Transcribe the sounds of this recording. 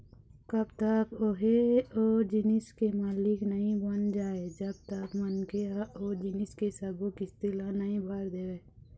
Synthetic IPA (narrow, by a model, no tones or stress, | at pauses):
kɐbt̪əkoɦeoːd͡ʒɪnɪskemaːlɪknəɦĩbənd͡ʒaːed͡ʒəb̚t̪əkmənkeaoːd͡ʒinɪskesɐɡõkist̪ɪlanəɦĩbʱaːɾd̪eweː